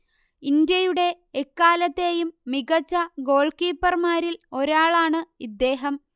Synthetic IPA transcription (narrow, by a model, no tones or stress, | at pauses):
ind̪jɐjuɽe̞ː | kːaːlɐt̪ːe̞ːjumːiɣɐt͡ɕːɐɡo̞ːɭkiːpːɐrmaːɾilo̞ɾaːɭaːɳɨid̪ːe̞ːɦɐm